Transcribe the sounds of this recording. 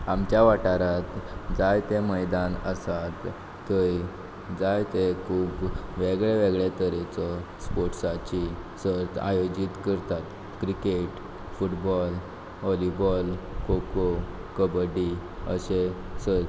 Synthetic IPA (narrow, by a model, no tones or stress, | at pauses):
amt͡ɕjaʋaʈaɾat̪d͡zajt̪eməjd̪anəsat̪ː | əj | d͡zajt̪ekʰuːbʋeɡɭeʋeɡɭet̪əɾet͡sɔ | spoɾʈsat͡ɕisəɾt̪a̰jod͡ʑit̪kəɾt̪at̪ | kɾikeʈ | fuʈbɔl | ɦɔlibɔlkʰoko | kəbəɖiəɕe | səɾ